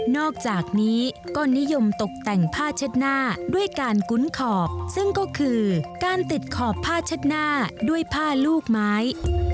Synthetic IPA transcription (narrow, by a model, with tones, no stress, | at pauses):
nɔː˥˩k̚t͡ɕaː˨˩k̚niː˦˥kɔː˥˩ni˦˥jo˧mt̪o˨˩k̚t̪ɛ˨˩ŋpʰaː˥˩t͡ɕʰa˦˥t̪̚naː˥˩du˥˩əjkaː˧nku˦˥nkʰɔː˨˩p̚sɯ˥˩ŋkɔː˥˩kʰɯː˧kaː˧nt̪i˨˩t̪̚kʰɔː˨˩pʰːaː˥˩t͡ɕʰa˦˥t̪̚naː˥˩du˥˩əjpʰaː˥˩luː˥˩k̚maː˦˥j